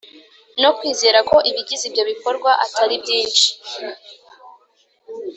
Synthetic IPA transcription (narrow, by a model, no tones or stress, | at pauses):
no̞kwiːze̞ːɾako̞ʔiβiɡizibɟo̞βiko̞ɾɡwaʔatʰaɾibɟiːnʃi̥